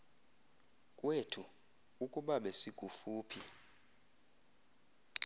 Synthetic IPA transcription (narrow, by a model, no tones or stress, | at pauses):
kʼwetʰu | ukʼuɓaɓɛsiɡ̥ʱufuːpʰi